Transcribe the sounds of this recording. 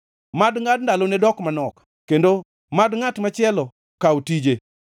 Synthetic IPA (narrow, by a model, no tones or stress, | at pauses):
madŋad̚ndalonedɔkmanɔk | kendo | madŋatmat͡ʃɪɛlɔ | kaotid͡ʒe